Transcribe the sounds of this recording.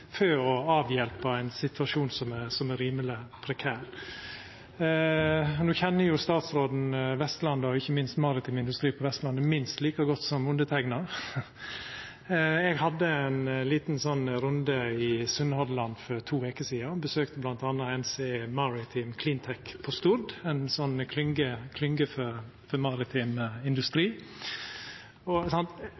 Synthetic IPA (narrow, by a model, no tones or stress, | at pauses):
føːɔɑːʋjɛlpɑæɪnsɪt̪ʰʋɑʂuːnsɔmæsɔmæɾiːməlɪpʰɾɛkʰæːɾ | nuːçɛnːəjʊst̪ɑːt̪sɾoːd̪n̩ʋɛst̪lɑnd̪ɑɔɪçːəmɪnst̪mɑɾɪt̪ʰɪmɪnd̪ʉst̪ɾiːpʰɔʋɛst̪lɑnd̪əmɪnst̪liːkɑɡɔt̪ːsɔmʊnd̪ət̪ʰɛɡnɑ | ɛɡhɑd̪ːəɛnliːt̪n̩sɔnɾʊnd̪əɪsʉnhɔd̪lɑnfɔɾt̪ʰuːʋeːkəsiːɑbəsøːkt̪əblɑnt̪ɑnːɑɛnseːmɑɾɪt̪ʰɪmkʰlɪnt̪ʰɛkpʰɔst̪uːɾd̪ɛnsɔnkʰlʏŋɡəkʰlʏŋɡəfɔ | fɔmɑɾɪt̪ʰɪmɪnd̪ʉst̪ɾiː | ɔsɑnt̪